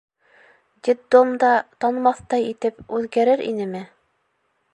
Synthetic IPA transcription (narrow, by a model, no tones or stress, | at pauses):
d̪ʲit̪d̪omd̪ɑt̪ɑnmɑθt̪ɑjit̪ɘpʉðɡæɾɘɾḭnɘmɘ